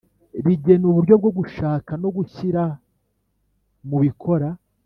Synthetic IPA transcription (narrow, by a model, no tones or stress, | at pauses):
ɾiɟe̞nuβuɾɟo̞b̚ɡo̞ɡuʃaːkano̞ɡuçiɾa | muβikʰo̞ɾa